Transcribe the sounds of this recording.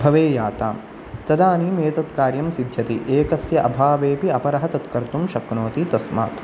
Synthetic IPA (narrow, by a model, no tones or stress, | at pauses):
bʱɐʋeːjaːt̪a̰ːm | t̪ɐd̪aːniːmeːt̪ɐt̪kaːɾjɐmsid̪ʱjɐt̪iʔeːkɐsjɐʔɐbʱaːʋeːpiɐpɐɾɐɦɐt̪ɐt̪kɐɾt̪umʃɐknoːt̪it̪ɐsma̰ːt̪